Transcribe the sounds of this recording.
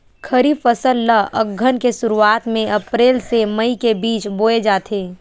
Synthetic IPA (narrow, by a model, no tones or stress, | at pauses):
kʰəɾifəsəlːəə̰ɡʱːənkesʊɾuaːt̪mẽʔɐpɾeːlsemɐikebiːt͡ʃboːed͡ʒaːt̪ʰeː